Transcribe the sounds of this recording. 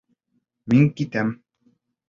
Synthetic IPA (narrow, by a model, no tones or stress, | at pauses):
miŋkit̪æm